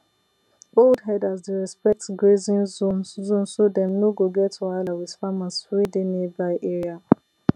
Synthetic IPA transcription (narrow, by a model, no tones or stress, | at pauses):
boldɦɛdazdeɹɛspɛk̚tɡɹezĩnzõnzõnsodɛ̃mnoɡoɡɛtalawiðfamasfɹidenebaʔeɹia